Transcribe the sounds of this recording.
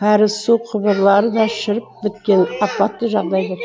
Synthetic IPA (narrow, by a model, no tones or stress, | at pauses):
æɾɪsuqʰəbəɾlˠɑɾəd̪ɑʃɪɾəp̚bɪt̪̚kʲe̞nɑpːɑt̪ːəʒɑʁd̪ɑjd̪ɑ